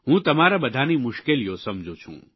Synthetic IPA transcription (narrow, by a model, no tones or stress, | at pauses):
ɦũt̪ɐm̤aːɾabɐd̪ʱaːnimʊʃkelijosɐmd͡ʑʱot͡ʃʰṵ̃ː